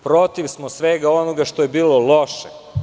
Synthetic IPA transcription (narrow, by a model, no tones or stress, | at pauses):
pɾo̞t̪iʋsmosʋeɡao̞noɡaʃt̪oje̞biːlolˠoʃe